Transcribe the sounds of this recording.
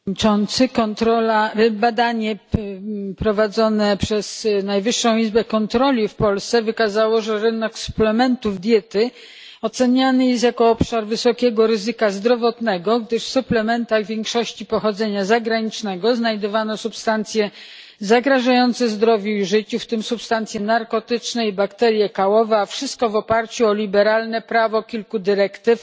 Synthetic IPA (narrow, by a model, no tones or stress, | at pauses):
it͡ʂɔnt̪sɘkɔnt̪ɾɔlabad̪aɲɛ | pɾɔvad̪zɔnɛpʂɛznajvɘʂːɔ̃w̃izbɛkɔnt̪ɾɔlʲifpɔlst̪sɛvɘkazawɔʐɛɾɘnɛksu̥plɛmɛnt̪uvd̪ʲjɛt̪ɘ | ɔt̪sɛɲanɘjɛst̪jakɔɔpʂaɾvɘsɔkʲɛɡɔɾɘzɘkazd̪ɾɔvɔt̪nɛɡɔɡd̪ɘʂsuplɛmɛnt̪aɣvʲjɛŋkʂɔɕt͡ɕipɔxɔd̪zɛɲazaɡɾaɲit͡ʂnɛɡɔznajd̪ɔvanɔsupst̪ant̪sʲjɛ | zaɡɾaʐajɔnt̪sɛzd̪ɾɔvʲjuiʐɘt͡ɕuft̪ɘmsupst̪ant̪sʲjɛnaɾkɔt̪ɘt͡ʂnɛibakt̪ɛɾʲjɛkawɔvɛafʂɘst̪̚kɔvɔpaɾt͡ɕuɔlʲibɛɾalnɛpɾavɔkʲilkud̪ɘɾɛkt̪ɘf